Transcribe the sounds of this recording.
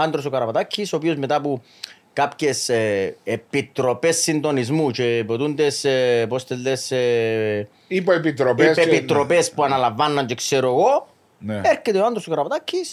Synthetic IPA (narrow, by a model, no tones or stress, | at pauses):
and̪ɾos̬ukaɾapat̪acʰːisop̬iozmet̪apu | kapcesepit̪ɾopesːind̪onizmut͡ʃepot̪und̪espost̪elːes | ipeepit̪ɾopipepit̪ːɾopespuanalavːanːaɲt͡ʃekseɾoɣo | neɾcːet̪eoand̪ɾosokaɾapat̪acʰːis